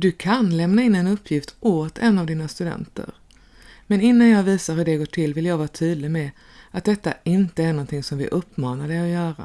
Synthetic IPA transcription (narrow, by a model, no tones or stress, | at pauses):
d̪ɵkʰanlɛmnaɪnːɛnɵpʰːjɪft̪ʔoːt̪ʰɛnːavd̪iːnast̪ɵd̪ɛ̰nt̪ə̰ɾ | mɛnɪnːanjɑːɡviːsaɾɦɵɖɛɡoːʈʰɪlːvɪljɑːɡvɑːt̪ʰyːd̪lɪmɛ | at̪̚d̪ɛt̪ːaɪnt̪əæɳɔnt̪ʰɪŋsɔmvɪ̰ʔɵpːmɑːnaɾdɛɔjœːɾa̰